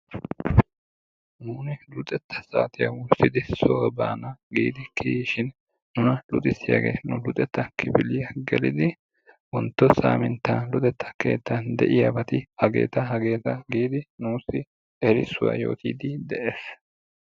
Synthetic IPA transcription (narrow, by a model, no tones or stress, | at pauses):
nuːnɪlʊt̪ʼɛt̪ʰːɐ̥sa̰ːt̪ɪjɐ̰wʊsɪd̪ɪsowɛbaːnɐɡḭːd̪ɪkʰiʃɪn | nʊnɐlʊt̪ʼɪsːɪja̰ɡḛːnʊlʊt̪ʼɛt̪ːɐkɪpɪlɪjɐɡɛlɪd̪ɪ | wɔnt̪ːɔsa̰ːmɪnt̪ːɐnlʊt̪ʼɛt̪ːɐ̥ke̞̰ːt̪ːɐnd̪ɛ̰ʔɪjɐbɐt̪ɪhɐɡe̞̰ːt̪ɐɦɐɡe̞ːt̪ɐɡiːd̪ɪnuːsɪ | ɛɾɪsːʊwa̰ːjo̞̰ːt̪ḭːd̪ɪd̪ɛʔeːs